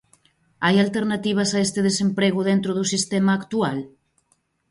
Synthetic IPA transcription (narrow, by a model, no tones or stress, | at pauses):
ajalt̪eɾnat̪iβ̞ɐsaest̪eðesempɾeɣʊðent̪ɾoðusist̪emaːkt̪ual